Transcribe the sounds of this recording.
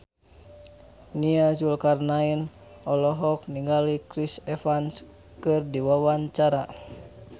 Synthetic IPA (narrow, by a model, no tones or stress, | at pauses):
niazulkarnain | ɔlɔɦɔk̚niŋɡalikɾisɛfans | kɨrdiwawaɲt͡ʃaɾa